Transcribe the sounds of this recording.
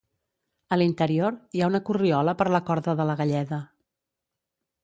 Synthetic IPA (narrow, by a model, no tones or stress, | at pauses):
əlint̪əɾioɾiaunəkuriɔləpəɾləkɔɾðəðələɣəʎɛðə